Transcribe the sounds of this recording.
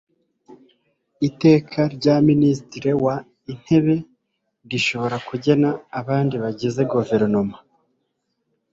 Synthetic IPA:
ite̞ːkʰaɾɟaministiɾewa | in̥he̞βe̞ | ɡiʃo̞βo̞ɾakuɟe̞naːβaːndiβaɟeze̞ɡuve̞ɾno̞ma

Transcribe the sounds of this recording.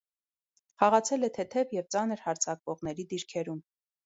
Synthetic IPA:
χɑʁɑt͡sʰɛlɛt̪ʰɛt̪ʰɛvjɛvt͡sɑnəɾhɑɾt͡sʰɑkvɔʁn̪ɛɾid̪iɾkʰɛɾum

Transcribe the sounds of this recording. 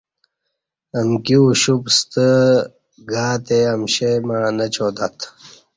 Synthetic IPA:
ɐmkiɕupst̪ə | ɡaːt̪eɐmɕemaːnɐt͡ɕʰoːt̪at̪ʰ

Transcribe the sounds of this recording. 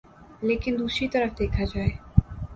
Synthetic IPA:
lekind̪uʃit̪aɾafd̪ekʰad͡ʑae

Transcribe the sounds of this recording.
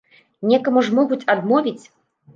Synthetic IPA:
nʲɛkɐmuʐmɔɣut͡sʲad̪mɔvʲit͡sʲ

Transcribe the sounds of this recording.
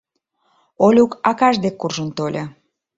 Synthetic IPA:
olʲukɑkɑʒd̪ekːurʒənt̪olʲa

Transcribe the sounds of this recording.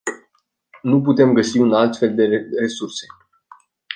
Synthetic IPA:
nup̬ut̪e̞mɡəsiunalt̪fe̞ld̪e̞re̞surse̞̥

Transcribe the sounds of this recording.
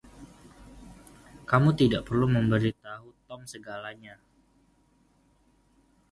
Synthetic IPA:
kamut̪idaʔpərluməmbəɾit̪aɦut̪ɔmsəɡalaɲa

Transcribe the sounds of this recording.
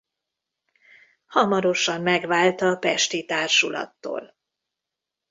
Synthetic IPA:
hɒmɒɾo̞ʃɒmːɛɡʋaːlt̪ɒːpɛʃt̪it̪aːrʃulɒ̰t̪ːo̰ːl

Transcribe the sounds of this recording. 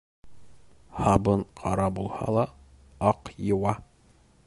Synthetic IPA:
hɑbɤɴqʰɑɾɑbulˠhɑ̰lˠɑ | ɑqjɤ̆wɑ

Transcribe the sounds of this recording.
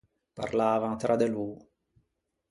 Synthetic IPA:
pa̰rlaːvaŋt̪ɾʔad̪eluː

